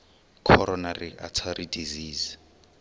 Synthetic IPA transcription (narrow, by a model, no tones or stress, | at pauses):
kʰɔɾɔnariʔatʰaɾidiziːz